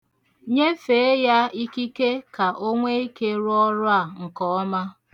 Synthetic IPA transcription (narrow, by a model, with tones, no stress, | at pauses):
ɲe˦fe˨e˦ja˦i˦ki˦ke˦ka˨ʔo˦ŋʷe˦i˦ke˦ɾʊ˦ɔ˦ɾʊ˦a˦˨ŋ̩˨kɔ˨˦ɔ˦ma˦